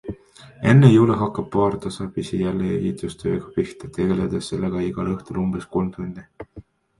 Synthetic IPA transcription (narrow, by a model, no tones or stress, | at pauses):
e̞nːejuːleɦɑkːˑɑb̥̚pɑːrt̪ɑsɑb̥isijælːeejit̪ˑust̪ʰø̰ːɡ̥ɑpiht̪ɑ̥t̪e̞ɡ̥e̞led̪̥esːelːeɡ̥ɑiɡ̥ɑlɤht̪ulumb̥eskolmt̪unʲd̪̥i